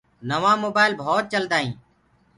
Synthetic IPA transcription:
nəʋãːmoːbaːɪlbʱoːt̪̚t͡ʃəld̪aːɦĩː

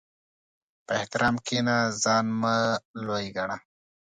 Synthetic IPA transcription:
pəeht̪ɪɾʔɑːmkenazɑːnmalojɡaɳa

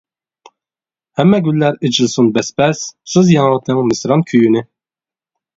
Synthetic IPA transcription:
hɛmːɛɡʲylːæɾit͡ʃilˠsunbɛspʰɛssɨzjɑnʁɑt̪ʰɨmmɪsɾɑnkʲʰyjynɪ

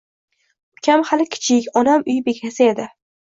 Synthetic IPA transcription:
ʊkʲʰamhalɪkʲʰɪ̥t͡ʃʰɪkʲɒnamʊjbe̞kʲʰasɪe̞d̪ɪ

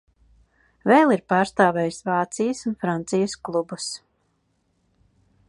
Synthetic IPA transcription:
velˠiɾpaːɾst̪aːvɛːjsvaːt̪sijəsunfɾant̪sijəsklˠubus

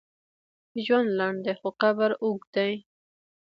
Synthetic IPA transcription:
ʒwand̪lɑɳd̪exoqabaɾuɡd̪aj

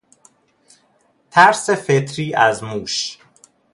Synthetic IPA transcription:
t̪ʰæɾsefet̪ʰɾiːʔæzmuːʃ

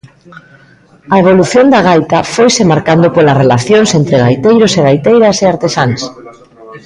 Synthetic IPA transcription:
ɐeβ̞oluθjond̪aɣ̞ajt̪afojsemaɾkand̪opolarelaθjoŋsent̪ɾeɣajt̪ejɾoseɣajt̪ejɾɐseaɾt̪esaŋs

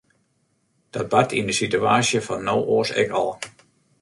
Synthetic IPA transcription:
d̥ɔt̚batʰindəsityaːsjəfɔnːowʔoːsɛ̰kɔ̰lˠ

